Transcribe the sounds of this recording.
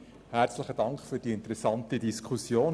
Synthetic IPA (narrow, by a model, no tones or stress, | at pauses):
hæɾt͡sləχəd̥ɑŋkχfyːɾd̥iɪntəɾɛsɑntədiskʰusjoːn